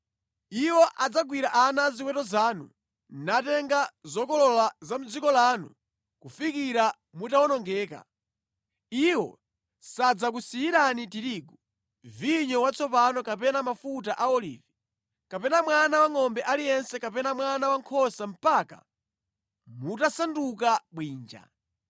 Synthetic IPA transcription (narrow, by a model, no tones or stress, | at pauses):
iwɔʔad͡zaɡwiɾaʔanaziwɛtɔzaːnṵ | natɛŋɡazɔkɔlɔlazam̩d͡zikɔlaːnṵ | kufikiɾa | mutawɔnɔŋɡɛːka̰ | iwɔ̰ | sad͡zakusijiɾanitiɾiːɡɔ | viɲɔwat͡sʰɔpanɔkapɛnamafut̬aʔaɔlḭːvi | kapɛnamwanawaŋɔmbɛʔalijɛnsɛkapɛnamwanawaŋkʰɔsam̩paka̰ | mutasandukaɓwiːnd͡ʒa̰